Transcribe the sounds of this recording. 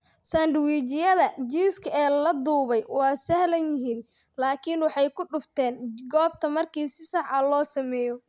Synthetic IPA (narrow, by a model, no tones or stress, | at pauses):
sɐnɖwiːt͡ʃɪjɐðɐd͡ʒiːskʰɐɛːlɐd̪uːβɛjwɑːsɐhlɐnjɪɦiːn | laːkʰɪnwɑħɑjkʰʊɖʊft̪ʰɛːnɡɔːb̚t̪ʰɐmɐrkʰiːsɪsɑħɑlɔːsɐmɛːjɔ